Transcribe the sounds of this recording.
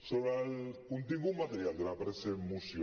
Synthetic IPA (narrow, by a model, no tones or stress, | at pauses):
soβɾalkunt̪iɣumat̪eɾjald̪elapɾesemusj